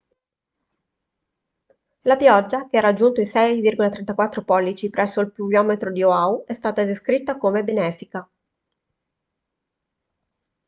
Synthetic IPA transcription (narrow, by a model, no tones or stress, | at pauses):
lapjɔd͡ʒːak̟eɛɾad͡ʒːunt̪oisɛjvirɡolat̪ɾɛnt̪akwat̪ːɾopɔlːit͡ʃipɾɛsːoilpubjɔːmet̪ɾod̪ioauɛst̪aːt̪aed̪eskɾit̪ːakomebenɛːfika